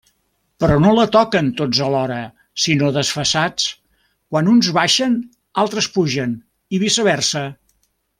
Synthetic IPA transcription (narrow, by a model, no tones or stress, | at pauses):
pɾɔnolət̪ɔkənt̪od͡zəlɔɾə | sinoðəsfəsat͡s | kwanunzβaʃən | alˠt̪ɾəspuʒən | iβisəβɛrsə